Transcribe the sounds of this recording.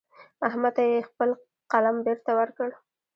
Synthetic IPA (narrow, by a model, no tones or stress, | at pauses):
aɦmat̪ajexpəl | qalambeɾt̪awəɾkəɽ